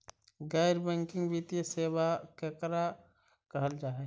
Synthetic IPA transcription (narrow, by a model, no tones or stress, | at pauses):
ɡaːɪɾbɛ̃ːŋkɪ̃ŋɡʋit̪ijəseːwakekɾa | kəɦəld͡ʒaːɦɛ